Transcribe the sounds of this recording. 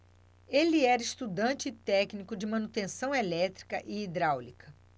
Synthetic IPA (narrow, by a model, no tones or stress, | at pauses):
elɪɛɾɐist̪ud̪ɐ̃nt͡ʃɪːt̪ɛknikʊd͡ʒɪmɐ̃nut̪ẽsɐ̃w̃elɛt̪ɾi̥kɐ̰ʔɪːd̪ɾawlikɐ